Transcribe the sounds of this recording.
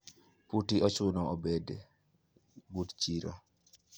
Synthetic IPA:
putiʔɔt͡ʃʊnɔɔbed | butt͡ʃiɾo̰

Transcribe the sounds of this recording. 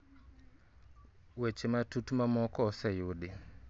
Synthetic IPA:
wet͡ʃematutumamɔkɔsɛjuɗi

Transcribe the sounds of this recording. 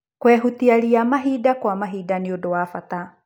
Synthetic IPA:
kwɛɦutiaɾiamaɦidakwamaɦidaneodowafata

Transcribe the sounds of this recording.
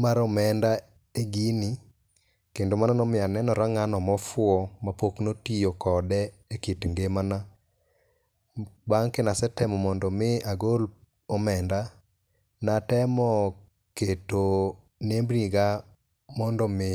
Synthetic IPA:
maɾɔmɛnda | eɡini | kendomananɔmɪanɛnɔɾaŋanɔmɔfʊɔmapoknotijokɔdɛekitŋɡemana | baŋkenasɛtɛmɔmɔndɔmɪaɡol | ɔmɛnda | natɛmɔ | keto | nembɾiɡa | mɔndɔmɪ

